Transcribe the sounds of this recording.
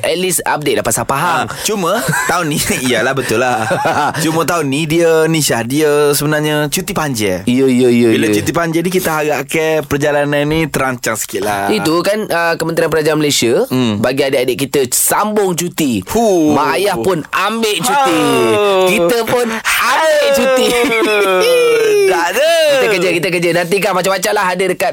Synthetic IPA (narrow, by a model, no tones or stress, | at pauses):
ʔɛt̪̚lisa̰p̚detʔ̪̚dapasapaɦaŋt͡ʃumət̪aunijəlahbət̪ʊlːat͡ʃumə̃t̪̬aunidiənisahdiəsəbənarɲat͡ʃut̪ipaɲd͡ʒɛ̰ijəjəijəbilat͡ʃut̪ipaɲd͡ʒɛnĩkit̪əɦaɡaʔkɛpərd͡ʒalananːit̪əɾaɲt͡ʃaŋsə̥kiʔlait̪ukanəkəmə̃nt̪ɾianpəɾad͡ʒaanməlajsiəbaɡiadeʔadəʔkit̪əsambʊŋt͡ʃut̪imaːjahpʊnambeʔt͡ʃut̪ikit̪əpʊnabeʔt͡ʃut̪i | aəkiəkəd͡ʒəkit̪ək̬ərd͡ʒənant̪̬ikapat͡ʃapat͡ʃalaɦadədəkat̪̚